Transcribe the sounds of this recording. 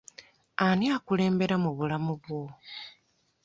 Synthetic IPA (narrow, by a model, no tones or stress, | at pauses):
aniakule̞ːmbe̞ɾamuβulamuβwo